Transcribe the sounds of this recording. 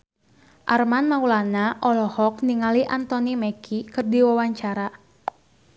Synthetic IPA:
ʔarmanmaulanaʔɔlɔhɔk̚niŋaliʔant̪ɔnimɛkikɨrdiwawaɲt͡ʃaɾa

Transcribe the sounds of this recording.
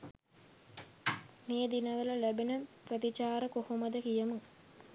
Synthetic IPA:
meːd̪inəʋələlæbenəprət̪it͡ʃaːɾəkohoməd̪əkijəmu

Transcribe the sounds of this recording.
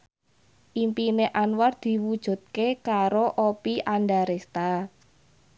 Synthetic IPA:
ʔimpineʔanward̪̥i̤wud̥ʒ̥ṳd̪̚kekaɾoʔopiʔanɖaɾest̪a

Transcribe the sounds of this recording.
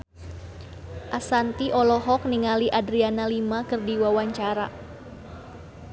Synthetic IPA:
ʔasant̪iʔɔlɔɦɔk̚niŋaliʔadɾianalimakɨrdiwawaɲt͡ʃaɾa̰

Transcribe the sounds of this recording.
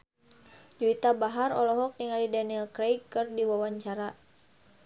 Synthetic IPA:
d͡ʒuit̪abaɦaɾɔlɔɦɔk̚niŋalidaniɛlkɾejkːɨrdiwawaɲt͡ʃaɾa

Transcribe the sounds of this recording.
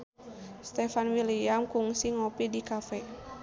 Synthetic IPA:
st̪ɛfanwiliamkuŋsiŋɔpidikafɛ

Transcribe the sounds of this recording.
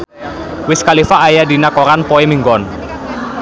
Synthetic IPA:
wɪskalifaːjadinakɔɾanpɔemiŋɡɔn

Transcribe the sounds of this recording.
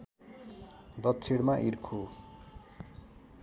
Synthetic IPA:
d̪ʌt̪ːt͡sʰiɽmaʔirkʰo

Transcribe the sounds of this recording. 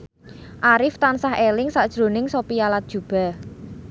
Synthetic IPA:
ʔaɾɪft̪ansahelɪŋsaʔd̥ʒ̥ɾo̤nɪŋsopialat̪̚dʒ̥ṳb̥a̤

